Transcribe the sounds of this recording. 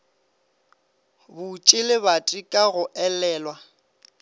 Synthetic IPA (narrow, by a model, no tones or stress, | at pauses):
bʊt͡ʃʼɪlɪbatʼikʼaɣʊʔɛlɛːlwa